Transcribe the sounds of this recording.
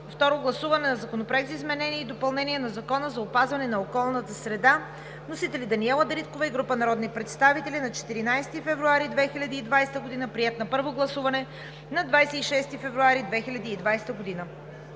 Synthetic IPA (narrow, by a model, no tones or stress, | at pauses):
ft̪ɔɾoɡlˠɐsuvɐnɛnɐzɐkonopɾɛkzizmɛnɛniɛid̪opɐlˠnɛniɛnɐzɐkɔnəzɐopazvɐnɛnɐokɔlˠnət̪əsɾɛd̪a | nosit̪ɛlʲid̪ɐniɛlˠəd̪ɾit̪kovəiɡɾupənɐɾɔd̪nipɾɛt̪st̪avit̪ɛlʲinɐt͡ʃɛ̥t̪iɾinajst̪ifɛvɾuaɾid̪vɛxilʲɐd̪iːd̪vajst̪əɡod̪inəpɾiɛt̪nɐpɤɾvoɡlˠɐsuvɐnɛ | nɐd̪vajsɛiʃɛst̪ifɛvɾuaɾid̪vɛxilʲɐd̪iːd̪vajst̪əɡod̪inə